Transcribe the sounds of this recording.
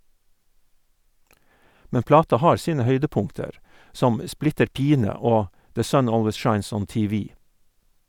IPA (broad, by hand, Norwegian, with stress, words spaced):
ˈmɛn ˈplɑːtɑ ˈhɑːɾ ˈsiːnə ˈhœʏdəˌpʊŋtəɾ ˈsɔm ə ˈsplɪtəɾ ˈpiːnə ˈoː ˈdeː ˈsœn ˈoːlʋəs ˈʃɑɪns ˈɔn ˌtiːˈʋiː